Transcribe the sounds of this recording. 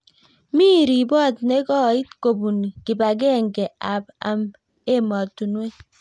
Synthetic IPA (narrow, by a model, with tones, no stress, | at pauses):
mi˦ɾi˨bɔ˦˨tne˦kɔ˦˨i˦tko˨bu˨ni˨ki˨ba˨ɡ̬e˦˨ŋɡe˨a˨ba̰˨m | e˦mɔ˨tu˨nwe˦